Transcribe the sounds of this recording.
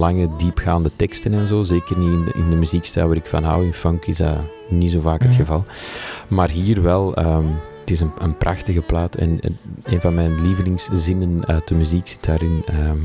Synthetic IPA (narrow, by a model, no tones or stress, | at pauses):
lɑŋədiːpxaːndətɛkstənɛnzoːzeːkərniɪnɪ̰ndəmyziːkstɛlˠwaːɾɪkfɑ̰nɦa̰wɪnfɔŋkɪzdɑ̰ | nizoːvaːkɦətxəvɑlˠmaːrɦiːrʋɛlˠəːm | ətɪsənənprɑxtəɣəplaːtɛ̰neːnvɑnmɛjnliːvəlɪŋszɪnənœːt̚dəmyziːksɪ̥tdaːɾɪnə